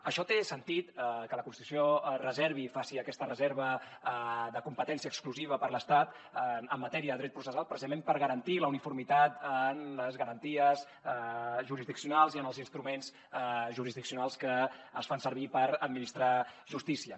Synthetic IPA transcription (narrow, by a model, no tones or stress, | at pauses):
əʃɔt̪esənt̪it̪kələkunst̪it̪u̥siorəzɛɾβ̞ifasiəkɛst̪ərəzeɾβə | d̪əkumpət̪ɛnsiəkskluziβ̞əpəɾləst̪at̪ | əmːət̪ɛɾiəðəðɾɛt̪̚pɾusəalˠpɾəsizəmẽmpəɾɣəɾənt̪iləunifuɾmit̪at̪ənləzɣəɾənt̪iəz | ʒuɾizðiksijunalˠziənəlˠzinst̪ɾumenz | ʒuɾizðiksiunalˠskəːsfansəɾβ̞ipəɾəd̪̚minist̪ɾaʒust̪isiə